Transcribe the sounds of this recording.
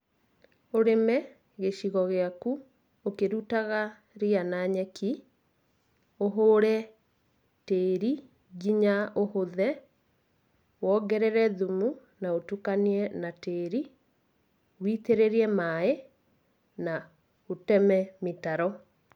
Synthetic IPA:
oɾemɛ | ɣeɕiɣɔɣeaku | okeɾutaɣa | ɾianaɲɛki | oɦoːɾɛ | teːɾi | ɡiɲaʔohoðɛ | wɔːɡɛɾɛɾɛðumu | naotukaniɛnateːɾi | witeɾeɾiɛmae | na | otɛmɛmitaɾɔ

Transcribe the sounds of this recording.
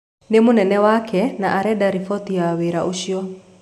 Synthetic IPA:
nemonɛnɛwakʰɛnaʔaɾɛdaɾifɔt̪iaweɾaʔoʃiɔ

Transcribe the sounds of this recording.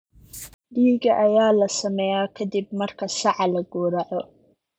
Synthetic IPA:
ɖiːɡɐʔɐjaːlɐsɐmɛjaːkʰɐd̪ibmɐrkʰɐsɑʕɑlɐɡuːɾɐʕɔ

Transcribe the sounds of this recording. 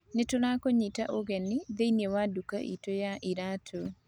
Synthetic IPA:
nɪtʊlakoɲɪtaʔoɡɛnɪðeinjewaduka̰ʔḭtojaʔɪɾatʰo

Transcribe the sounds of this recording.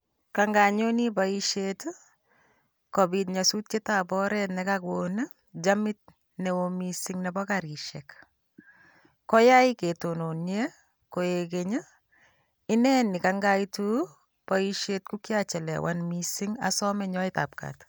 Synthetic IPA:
kaŋɡaɲonibaiʃet | kɔbit̬ɲasut̚ketabɔɾɛtnɛkakoːna | d͡ʒamɪt̚ | nɛwomisɪŋnɛbɔkaɾiʃɛk | kɔjaiketononjɛ | kojekeɲa | ɪnɛnɪkaŋɡaitu | paiʃet̚kukjat͡ʃɛlɛ̰wʔa̰nmisiŋa̰sɔmɛɲɔɪta̰p̚ka̰t

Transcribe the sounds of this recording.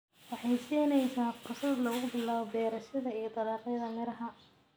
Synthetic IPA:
wɑħɑjsiːnɛjsaːqʊsɐd̪lɐʊɣʊbɪlːaːβɔbɛːɾɐʃɐðɐijɔd̪ɐðɑːqɛðɐmɪɾɐɦɐ

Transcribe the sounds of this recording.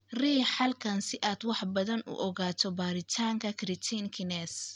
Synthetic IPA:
riːħɐlkʰɐnsɪʔaːd̪wɑħbɐðɐnʊ̰ʔɔɣaːt̪ʰɔbaːɾɪt̪ʰaːŋkʰɐkʰɾɪt̪ʰinkʰɪnɛs

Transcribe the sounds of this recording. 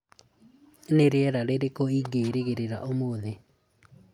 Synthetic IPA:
neɾeɛɾaɾeɾekoiɡeɾeɣeɾeɾa̰ʔomoːðe

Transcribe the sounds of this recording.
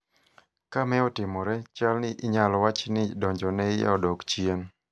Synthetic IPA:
kamɛɔtɪmɔɾɛt͡ʃalnɪʔɪɲalɔwat͡ʃnɪdɔɲd͡ʒɔnɛja̰ɔdɔkt͡ʃien

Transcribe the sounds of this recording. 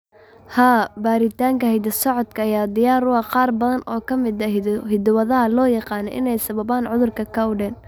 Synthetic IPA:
haːbaːɾɪt̪ʰaːŋkɐhɛjd̪ɐsɔʕɔd̪kʰɐːjaːd̪ɪjaːɾʊɑqɑːrbɐðɐnʔɔːkʰɐmɪd̪ɐhɪd̪wɐðɐɦɐlɔːjɑqɑːnɔ̰ʔɪ̰nɛjsɐβɐbaːnʕʊðʊrkʰɐkʰɐwɖɛːn

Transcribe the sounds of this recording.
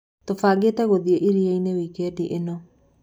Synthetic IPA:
tofaːɡeːtɛɣoðieʔiɾieinewikɛdiʔenɔ

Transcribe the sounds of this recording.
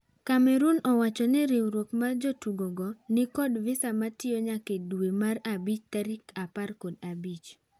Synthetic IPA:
kamɛɾunɔwat͡ʃɔnɪɾɪwɾwokmad͡ʒotuɡoɡɔnɪkɔdvɪsamatɪɔɲakedwemarabit͡ʃtaɾikʰaparkodabit͡ʃ

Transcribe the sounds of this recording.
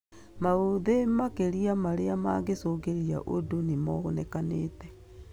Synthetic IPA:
maoðemakeɾiamaɾeama̰ːɡesoːɡeɾia̰ʔodonemɔɣonɛkaneːtɛ

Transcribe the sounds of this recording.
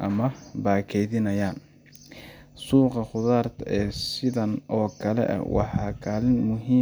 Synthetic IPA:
ʔɐmɐbaːkʰɛjðɪnɐjaːn | suːqɑχʊðaːrt̪ʰɐɛːsɪðɐnɔːkʰɐlɛ̰ʔɐ̰wɑ̰ħɑːkʰaːlɪnmʊɦiː

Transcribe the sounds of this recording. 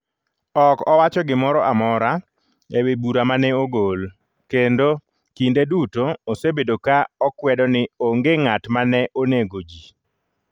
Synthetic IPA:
ɔkɔwat͡ʃɔɡɪmɔɾɔʔamɔɾa | ewebuɾamanɛoɡol | kendo | kindedutoːsebedokaɔkwɛdɔnɪoŋɡeŋatmanɛʔoneɡod͡ʒi

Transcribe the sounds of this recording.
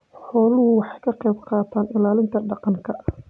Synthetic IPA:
ħɔːlʊɦʊwɑħɑjkʰɐqɛjbqɑːt̪ʰaːnɪlaːlɪnt̪ʰɐɖɑqɑŋkʰɐ

